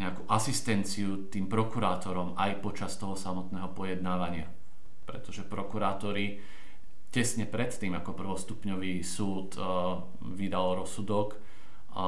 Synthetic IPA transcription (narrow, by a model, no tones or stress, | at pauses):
ɲɛakuʔasist̪ɛnt͡siut̪iːmpɾɔkuɾaːt̪ɔɾɔmajpɔt͡ʃast̪ɔɦɔsamɔt̪nɛːɦɔpɔjɛd̪naːʋaɲɪa | pɾɛ̰t̪ɔʒɛpɾɔkuɾaːt̪ɔɾi | cɛsɲɛpɾɛt̪t̪ːiːmakɔpr̩ʋɔst̪upɲɔʋiːsuːt̪ | ʋid̪alɾɔsud̪ɔk